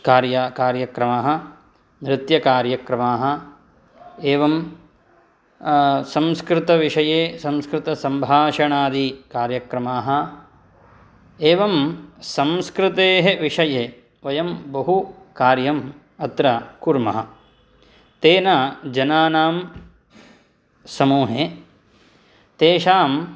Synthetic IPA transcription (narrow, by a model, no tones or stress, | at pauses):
kaːɾjakaːɾjɐkɾɐmaːɦɐ̆ | nɾɪt̪jɐkaːɾjɐkɾɐmaːɦɐ̆ | eːʋɐm | sɐmskɾɪt̪ɐʋiʂɐjeːsɐ̃mskɾɪt̪ɐsɐmbʱaːʂɐɳaːd̪ikaːɾjɐkɾɐmaːɦɐ̆ | eːʋɐmsɐmskɾɪt̪eːɦeʋiʂɐje | ʋɐjɐmbɐɦukaːɾjɐm | ɐt̪ɾɐkuɾmɐ̰ɦɐ̰ | t̪eːnad͡ʒɐnaːnaːm | sɐmuːɦe | t̪eːʃaːm